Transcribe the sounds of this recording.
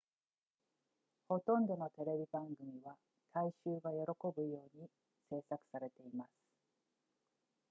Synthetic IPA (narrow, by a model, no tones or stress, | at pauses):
ho̞t̪õ̞nd̪o̞no̞t̪e̞ɾe̞bʲibãŋɡɯ̟mʲiβa | t̪ʰaiɕɨːɡajo̞ɾo̞ko̞bɯ̟jo̞ːɲ̟i | se̞ːsakɯ̟̥saɾe̞t̪e̞imasɨ̥